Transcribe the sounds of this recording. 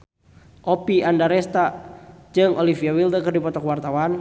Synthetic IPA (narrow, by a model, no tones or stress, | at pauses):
ʔɔpiandaɾɛst̪ad͡ʒɨŋʔɔlifiawild̪əkərdipɔt̪ɔkwart̪awan